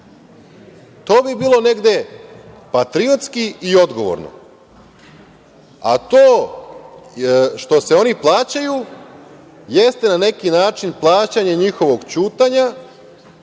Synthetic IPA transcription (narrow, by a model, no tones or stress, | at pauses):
t̪o̞ːbibiːlˠo̞ne̞ɡd̪e̞ | pat̪ɾiot̪skiio̞d̪ɡo̞ʋo̞̰ɾno̞̰ | a̰t̪oː | ʃt̪o̞se̞o̞niplˠaːt͡ɕaju | je̞st̪e̞nane̞kinaːt͡ʃinplˠaːt͡ɕaɲeɲixo̞ʋo̞ɡt͡ɕuːt̪aɲa